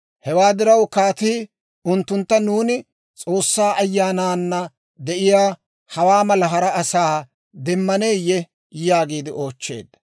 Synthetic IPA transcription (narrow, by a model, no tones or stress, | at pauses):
hɛwaːd̪ɪɾɐwkaːt̪iː | ʊnt̪ːʊnt̪ːɐnuːnɪ | t͡sʼo̞ːsːaːʔɐjːaːnaːnːɐ | d̪ɛʔɪjaː | hɐwaːmɐlɐɦɐɾɐːsaː | d̪ɛmːɐneːjːɛ | jaːɡiːd̪ɪʔo̞ːt͡ʃːe̞̰ːd̪